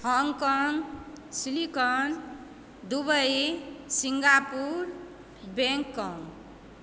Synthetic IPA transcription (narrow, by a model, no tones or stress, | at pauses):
hɔŋkɔŋ | silikɔn | d̪ubʌjsiŋɡapuɾ | beŋkːɔŋ